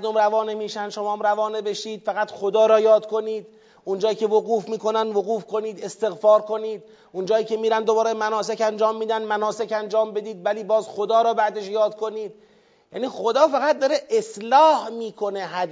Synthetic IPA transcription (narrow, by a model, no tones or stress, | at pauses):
ɾd̪omɾævɒːnemiːʃænd̪ʃo̞mɒːmɾævɒːnebe̞ʃiːd̪̥fæɣæt̪χod̪ɒːɾɒːjɒːd̪kʰo̞niːd̪̥ | und͡ʒɒːiːcʲʰe̞voɣuːfmiːko̞nænd̪voɣuːfkʰo̞niːd̪e̞st̪e̞ɣfɒːɾko̞niːd̪ | und͡ʒɒːiːcʰe̞miːɾænd̪obɒːɾemænɒːsekænd͡ʒɒːmːiːd̪ænmænɒːsekænd͡ʒɒːmbe̞d̪iːd̪væliːbɒːzxod̪ɒːɾɒːbæd̪eʃjɒːd̪kʰo̞niːd̪̚ | jæ̰ːniːxod̪ɒːfæɣæt̪̚d̪ɒːɾeʔeslɒːhmiːkʰo̞ne̞ɦæd̪